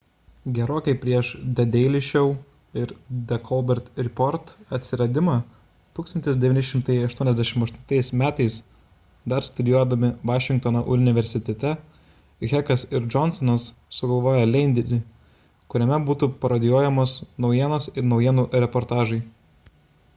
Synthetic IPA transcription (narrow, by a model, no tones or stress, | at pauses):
ɡʲɛɾoːkʲɛɪpʲɾʲiɛʃd̪ʲɛd̪ʲɛɪlʲɪʃʲɛʊ | ɪɾd̪ʲɛkʰɔlˠbʲɛɾt̪ɾʲɪpɔɾt̪ɐt̪ʲsʲɪɾɐd̪ʲɪmɑː | t̪uːkst̪ɐnʲt̪ʲɪsd̪ʲɛʋʲinʲɪʃʲɪmt̪ɐɪɐʃt̪uɔnʲɛzʲd̪ʲæʃʲɪmɐʃt̪ʊ̥nt̪ɐɪsmʲæːt̪ɐɪs | d̪ɐɾst̪ʊd̪ʲɪjuɔd̪ɐmʲɪʋɑːʃʲɪŋk̚t̪onoʔʊnʲɪʋʲɛɾʲsʲɪt̪ʲɛt̪ʲɛ | ɣʲɛkɐsɪɾd͡ʒɔnsɔnɐsː | ʊɡɐlˠʋoːjɛlʲɛɪnʲd̪ʲɪɾʲɪ | kʊɾʲɛmʲɛbuːt̪upɐɾɐd̪ʲɪjuɔjɛmoːsnɒʊjiɛnosɪɾnɒʊjiɛnuːɾʲɛpɔɾt̪ɑːʒɐɪ